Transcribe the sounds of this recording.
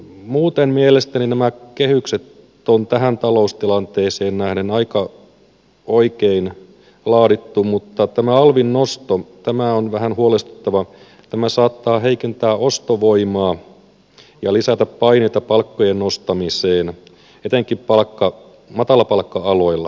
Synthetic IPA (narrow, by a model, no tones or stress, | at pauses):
muːt̪emmielest̪æninæmækehykset̪ | ont̪æɦænt̪ɑloust̪ilɑnt̪eːseːnnæhnenɑikɑ | oikein | lɑːdit̪ːumut̪ːɑt̪æmæɑlʋinːost̪ot̪æmæonʋæhænhuolest̪u̥t̪ːɑʋɑ | t̪æmæsɑːt̪ːɑːɦeikent̪æːʔost̪oʋoimɑː | jɑlisæt̪æppɑineit̪ɑpɑlkːojennost̪ɑmiseːn | et̪eŋkippɑlkːɑ | mɑt̪ɑlɑpɑlkːɑɑloilːɑ